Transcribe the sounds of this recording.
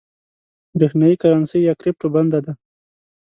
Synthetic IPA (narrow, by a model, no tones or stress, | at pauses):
bɾexnajikaɾansəjjakɾɪp̚ʈoband̪ad̪a